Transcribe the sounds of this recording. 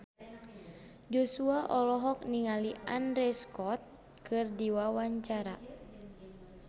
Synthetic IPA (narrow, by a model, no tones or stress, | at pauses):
d͡ʒosuaʔɔlɔɦɔk̚niŋalianɾɛskɔt̪̚ | kɨrdiwawaɲt͡ʃaɾa